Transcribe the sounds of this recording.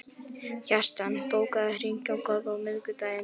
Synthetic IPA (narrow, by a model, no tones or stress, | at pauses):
çar̥t̪anpoːwkaðahɾiɲcawkɔðvawmɪðkʏt̪aːjɪ